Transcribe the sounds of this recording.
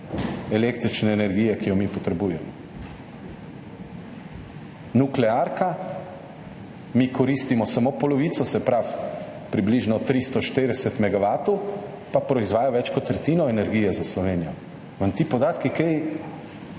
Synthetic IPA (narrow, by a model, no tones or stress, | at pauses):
ɛlekt̪ɾit͡ʃnɛːnɛɾɡiːjɛkijɔmipɔt̪ɾɛbujɛmɔ | nuklɛaːɾka | mikʰɔɾist̪imɔsamoːpɔlɔʋiːt̪sɔsɛpɾaf | pɾibliʒnɔt̪ɾist̪ɔʃt̪eɾɛsɛt̪mɛɡaʋaːt̪ɔw | papɾɔizʋaːjaʋɛt͡ʃkɔt̪ːɾɛt̪iːnɔɛnɛɾɡiːjɛzaslɔʋeːnijɔ | ʋənt̪ipɔd̪aːt̪kikej